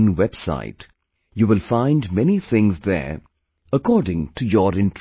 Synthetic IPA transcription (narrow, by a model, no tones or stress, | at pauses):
nwɛb̥sa̰ɪt | juːʋɪlfãɪ̃ndmɛniθʰɪ̃ŋzðə̰ɹ | əkɔːɖɪ̃ŋʈʰujɔɾɪ̃nʈ